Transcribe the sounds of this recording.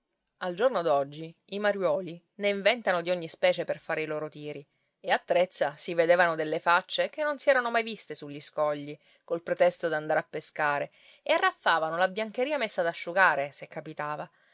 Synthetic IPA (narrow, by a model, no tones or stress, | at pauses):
ald͡ʒornod̪ɔd͡ʒːi | imaɾjwɔːli | neiɱvɛnt̪anod̪ioɲːispɛːt͡ʃeperfaːɾeiloːɾot̪iːɾi | eat̪ːɾet̪sːasived̪eːvanod̪elːefat͡ʃːekenːonsiɛːɾanomajvist̪esuʎːiskɔʎːi | kolpɾet̪ɛst̪od̪and̪aɾeapːeskaːɾe | earːafːaːvanolabjaŋk̟eɾiːamesːad̪aʃːuɡaːɾesekːapit̪aːva